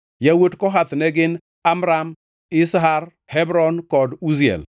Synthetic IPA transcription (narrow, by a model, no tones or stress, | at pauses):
jawotkɔɦat̪nɛɡɪn | amɾam | ɪsɦar | hɛbɾɔnkɔduziɛ̰l